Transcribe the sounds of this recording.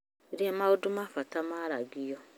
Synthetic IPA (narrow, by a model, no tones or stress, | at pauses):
iɾiamaʊdʊmafatamaɾaɡijɔ